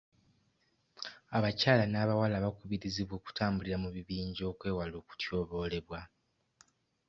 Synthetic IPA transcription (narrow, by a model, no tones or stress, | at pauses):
aβacaːlanaːβawalaβakuβiɾiziβwo̞ːku̥taːmbuliɾamuβiβiːɲɟo̞ːkwe̞ːwaloːku̥tʰjo̞ːβo̞ːle̞βwa